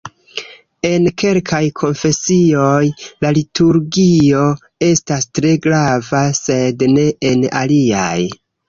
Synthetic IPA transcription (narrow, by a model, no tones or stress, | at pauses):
e̞nke̞lkʰajkʰo̞nfe̞sio̞jlalitʰuɾɡio̞ | e̞stastɾe̞ɡɾavase̞dne̞ena̰lia̰j